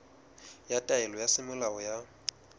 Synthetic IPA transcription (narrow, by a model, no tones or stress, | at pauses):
jatʼaɛlɔjasɪmɪlaɔja